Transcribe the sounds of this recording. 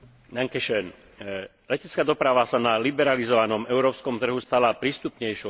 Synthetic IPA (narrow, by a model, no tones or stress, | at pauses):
naŋkɛʃɛn | lɛcɛt͡skaːd̪ɔpɾaʋasanalibɛɾalizɔʋanɔmɛʊɾɔːpskɔmt̪r̩ɦust̪alapɾiːst̪upɲɛjʃɔ